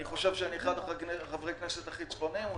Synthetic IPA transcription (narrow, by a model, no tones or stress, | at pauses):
niχo̞ʃevʃeaniχadoχakχavʁejkneset̪aχit͡sbo̞nim